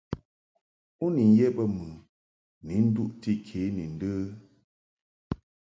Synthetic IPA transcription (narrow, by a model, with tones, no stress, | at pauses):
u˦ni˨n˦jɛ˦bə˦mɨ˨ | ni˨˦n̩˦du˦˨ʔti˦kʰe˨˦ni˨n̩˦də˦